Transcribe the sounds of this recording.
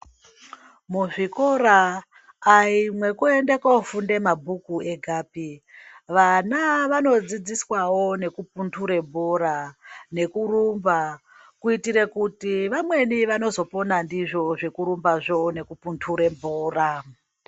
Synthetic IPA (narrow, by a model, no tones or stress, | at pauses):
muʐiko̞ɾaː | imwe̞kue̞ndekaofunde̞mabʱukue̞ɡʱaːpiʋanaʋano̞d͡zid͡ziswawo̞ne̞kup̚untʰuɾe̞mbʱoɾane̞kuɾumba | kuitiɾe̞kutiʋamwe̞niʋano̞zo̞po̞nandiʐo̞ʐe̞kuɾumbaʐo̞ne̞kupuntʰuɾembʱoːra